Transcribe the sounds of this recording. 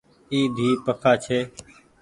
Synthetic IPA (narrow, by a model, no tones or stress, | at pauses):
iːd̪ʱiːpəkʰaːt͡ʃʰeː